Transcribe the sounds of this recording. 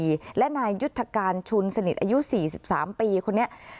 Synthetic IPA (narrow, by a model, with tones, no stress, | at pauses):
lɛ˦˥ʔnaː˧jːu˦˥t̪ʰːa˧kaː˧nt͡ɕʰu˧nsa˧ni˨˩ʔaː˧ju˦˥siː˨˩si˨˩p̚saː˩˦mpiː˧kʰo˧nːi˦˥ɐʔ